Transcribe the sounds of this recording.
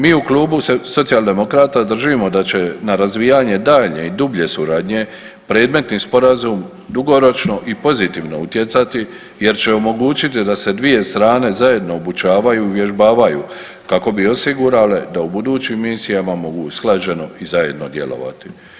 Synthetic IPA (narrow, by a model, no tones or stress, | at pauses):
miːukluːbuseso̞t̪sijalˠd̪e̞mo̞kɾaːt̪ad̪r̩ʒimo̞d̪at͡ʃe̞naɾazʋiːjaɲe̞d̪aːʎɲe̞id̪ubʎe̞suɾaːd̪ɲe̞ | pɾe̞ːd̪me̞t̪niːspo̞ɾazum | d̪uɡo̞ɾo̞t͡ʃno̞ʔipo̞zit̪iːʋno̞̰ut̪je̞t̪sat̪i | je̞ɾt͡ɕe̞o̞mo̞ɡuːt͡ʃit̪id̪ase̞d̪ʋije̞st̪ɾaːne̞zaje̞d̪no̞ːbut͡ʃaːʋajuiʋje̞ʒbaːʋajuː | kako̞bio̞siɡuɾaled̪aubud̪uːt͡ʃimːisijamamo̞ɡṵsklˠad͡ʒe̞no̞izaje̞̰d̪no̞d̪je̞̰lo̞̰ʋa̰t̪i